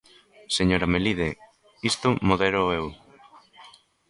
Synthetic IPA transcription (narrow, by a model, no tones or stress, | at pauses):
seɲoɾameliðe | ist̪ʊmoðeɾoew